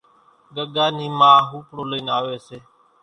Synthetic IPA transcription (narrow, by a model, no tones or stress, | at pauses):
ɡəɠaːniːmãːɦuːpɽoːləiːnaːʋeːseː